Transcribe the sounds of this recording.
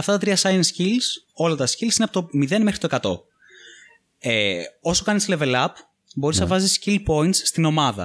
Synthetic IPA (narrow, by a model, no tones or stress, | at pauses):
ɐft̪ɐt̪ɐt̪ɾiɐsɐiɐnscils | o̞lɐt̪ɐscilsineɐpot̪omiðe̞nmexɾit̪oekɐt̪o̞̰ | eo̞so̞kɐnisle̞ve̞lɐp | bo̞ɾiznɐvɐziscilpo̞int̪sst̪ino̞mɐðɐ̰